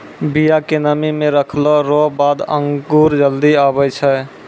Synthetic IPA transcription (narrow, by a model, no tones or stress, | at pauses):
bijakenəmimeɾəkʰlɔɾɔbad̪ə̰ŋɡuɾd͡ʒəld̪iaβɛt͡ʃʰɛ